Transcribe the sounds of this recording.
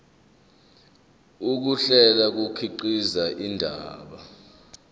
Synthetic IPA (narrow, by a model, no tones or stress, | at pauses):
uk̬uɬɛlak̬ukʰiǃizaʔindʱaːɓa